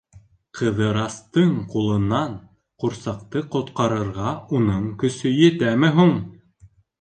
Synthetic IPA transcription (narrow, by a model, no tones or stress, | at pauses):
qʰɤ̆ðɤ̆ɾɑst̪ɤɴqulˠɤ̆nːɑɴ | quɾsɑqt̪ɤqŏt̪qɑɾɤ̆ɾʁɑunɤɴkɵ̆sɵjɘ̆t̪æmɘɦuɴ